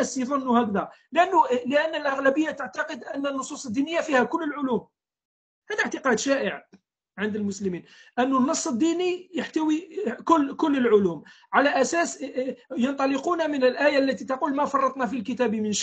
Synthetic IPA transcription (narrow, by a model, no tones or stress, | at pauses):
sjðˤɑnːuhækd̪ælʔænːuləʔənːəlʔaɣlæbəjːat̪əʕt̪ɑqəd̪ʔənːənːosˤusˤəd̪ːinəjːafihækʊlːəlʕʊlum | hæd̪aʕt̪əqɑd̪ʃæʔəʕ | ʕənd̪əlmʊsləmin | ʔənːunːɑsˤːəd̪ːinijəħt̪æwikʊlːkʊlːəlʕʊlum | ʕalæʔæsæsjɑnt̪ˤɑləqunamənəlʔæjalːæt̪it̪ɑqulmæfɑrˤːɑt̪ˤnæfilkət̪æbimənʃ